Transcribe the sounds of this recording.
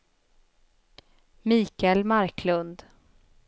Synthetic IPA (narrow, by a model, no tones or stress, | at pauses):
miːkɛlmaɾkʰlɵnd̪